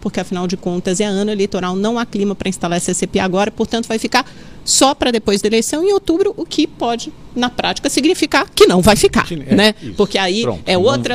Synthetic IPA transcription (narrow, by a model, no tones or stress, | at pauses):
poɾkeɐfinawd͡ʒɪkõnt̪ɐzɛɐɐ̃nʊelejt̪oɾawnɐ̃w̃aklĩmɐpɾɐĩst̪alaɾsesepeaɡɔɾɐpoɾt̪ɐ̃t̪ʊvajfikaɾ | sɔpɾɐd̪epojzd̪ɐelejsɐ̃w̃ẽowt̪ubɾʊʔʊkʰɪpɔd͡ʒɪ | nɐpɾat͡ʃi̥kɐsiɡnifikaɾkɪnɐ̃w̃vajfika̰ɾnɛpoɾkeaiɾõ̰ɛot̪ɾɐ